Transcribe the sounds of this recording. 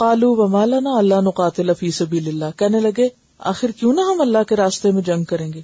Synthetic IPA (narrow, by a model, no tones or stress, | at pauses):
qaːluːʋɐmaːlɐnaːɐlːanʊqaːt̪ɪlafiːsɐbiːlɪlːaːkɛɦnelɐɡe | a̰ːxɪɾkjũːnɐɦɐmɐlːakeɾaːst̪emẽd͡ʒɐ̃ŋɡ̚kɐɾẽːŋɡeː